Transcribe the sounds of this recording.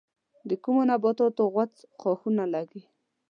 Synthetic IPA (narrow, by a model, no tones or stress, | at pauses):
d̪əkumonabɑt̪ot̪oɣwat͡sxɑxunalaɡi